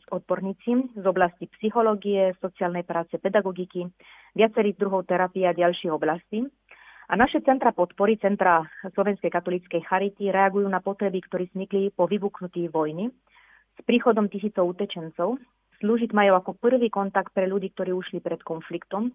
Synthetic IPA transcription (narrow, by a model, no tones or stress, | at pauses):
zɔd̪̚bɔɾɲiːt͡sizɔblascipsixɔlɔɡiɛsɔt͡siaːlnɛjpɾaːt͡sɛpɛd̪aɡɔɡiki | ʋɪat͡sɛɾiːzd̪ɾuɦɔʊt̪ɛɾapiaɟalʃiːɔblasci | ʔanaʃɛt͡sɛnt̪ɾapɔt̪pɔɾit͡sɛnt̪ɾaslɔʋɛnskɛjkat̪ɔlit͡skɛjxaɾit̪iɾɛaɡujuːnapɔt̪ɾɛbikt̪ɔɾiːzɲiklipɔʋibuknut̪iːʋɔjni | spɾiːxɔd̪ɔmt̪isiːt͡sɔʊuːcɛt͡ʃɛnt͡sɔʊ | sluːʒiɟmajuːakɔpr̩ʋiːkɔnt̪ak̚t̪̚pɾɛʎuɟiːk̚t̪ɔɾiːuʃlipɾɛt̪kɔnflikt̪ɔm